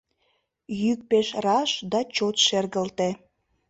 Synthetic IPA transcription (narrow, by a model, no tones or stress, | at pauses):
jyk̚peʃrɑʃd̪ɑt͡ɕot̪ʃerɣəlt̪e